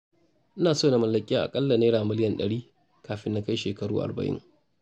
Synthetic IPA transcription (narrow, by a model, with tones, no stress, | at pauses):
ʔɪ˦naː˨soː˦˨na˨mɐ˨lːɐ˨kʲʼɪ˦aː˦˨ʔa̰˨kʼɐ˦lːa˨neː˦ɽaː˨mɪ˦lɪ˦jɐ˨nɗɐ˨ɽiː˦ | kaː˨ɸɪ˦nːa˦ka˦jʃeː˨kɐ˨ɽuː˦ʔa̰˨rbɐ̰˨ʔɪ̰˦ŋ